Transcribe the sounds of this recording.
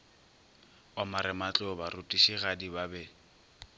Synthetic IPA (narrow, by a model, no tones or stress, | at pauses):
ɔmaɾɪmat͡ɬʼʊbarʊtʼiʃiɣadibabɛ